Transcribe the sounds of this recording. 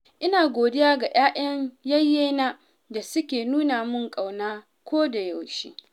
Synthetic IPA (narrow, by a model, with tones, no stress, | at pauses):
ʔɪ˦naː˨ɡʷoː˨dɪ˦jaː˦ɡa˨j̰aː˦ʔɐ˦ɲjɐ˦jːeː˦na˦ | da˨sʊ˦kʲeː˨nuː˦na˨mʊ˦˨ŋkʼa˨wnaː˦ | kʷoː˦da˨ja˨wʃḭː˦